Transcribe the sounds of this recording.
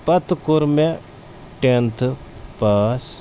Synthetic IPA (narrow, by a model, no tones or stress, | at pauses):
pɐt̪kʊɾme | ʈent̪ʰpaːs